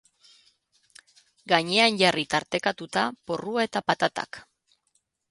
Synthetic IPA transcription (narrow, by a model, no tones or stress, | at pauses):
ɡaɲe̞anʝarit̪aɾt̪e̞kat̪ut̪apo̞ruae̞t̪apat̪at̪a̰k